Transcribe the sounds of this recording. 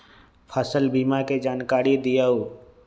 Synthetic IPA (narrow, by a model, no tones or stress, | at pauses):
pʰəsəlbiːmaked͡ʒaːnkaːɾid̪ijauː